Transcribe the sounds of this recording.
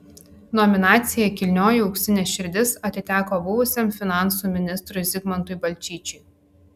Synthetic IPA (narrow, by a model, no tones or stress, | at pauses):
nɔmʲɪnɑːt̪sʲɪjɛkʲɪlʲnʲoːjɪʊksʲɪnʲeːʃʲɪɾʲd̪ʲɪsɐt̪ʲɪt̪ʲæːkoːbʊʋʊsʲemfʲɪnɑˑnsuːˑmʲɪnʲɪst̪ɾʊɪzʲɪɡmɐnt̪ʊɪbɐlʲt͡ʃʲiːt͡ʃʲʊɪ